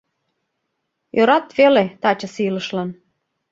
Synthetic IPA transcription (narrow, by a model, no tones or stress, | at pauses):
jøɾɑt̪velet̪ɑt͡ɕəsilə̆ʃlɑn